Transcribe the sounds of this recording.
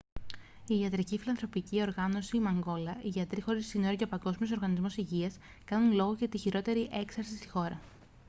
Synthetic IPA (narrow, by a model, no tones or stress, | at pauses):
iɐt̪ɾicifilɐnθɾo̞picio̞ɾɣɐno̞simɐŋɡo̞lɐʔiʝɐt̪ɾixo̞ɾisinoɾoʝɐpɐɡo̞zmio̞s̬o̞ɾɣɐnizmo̞siʝiɐs | kɐnunlo̞ɣo̞cɐt̪içiɾo̞t̪e̞ɾiʔe̞ksɐɾsist̪i̥xo̞ɾɐ